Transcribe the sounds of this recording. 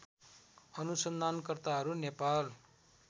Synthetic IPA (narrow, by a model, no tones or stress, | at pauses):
ʌnusʌnd̪ʱankʌrt̪aɦʌɾunepal